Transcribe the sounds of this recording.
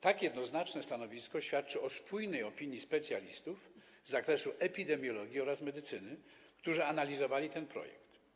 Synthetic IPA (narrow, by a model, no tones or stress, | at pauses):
t̪akjɛd̪nɔznat͡ʂnɛst̪anɔvʲiskɔɕfʲjat̪̚t͡ʂɘɔspʰujnɛjɔpʲiɲjispɛt̪sʲjalʲist̪uf | zːakɾɛsuʔɛpʲid̪ɛmʲjɔlɔɡʲiɔɾasmɛd̪ɘt̪sɘnɘ | kt̪uʐɘanalʲizɔvalʲit̪ɛnpɾɔ̰jɛ̰kt̪